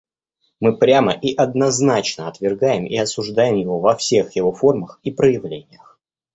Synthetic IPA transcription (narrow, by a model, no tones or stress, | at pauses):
mɨpɾʲaməʔiʔɐd̪nɐznat͡ɕnəɐt̪vʲɪrɡajɪmḭɐsʊʐd̪ajɪmjɪvo̞vɐfsʲe̞xjɪvo̞fo̞rməxipɾəjɪvlʲenʲɪjəx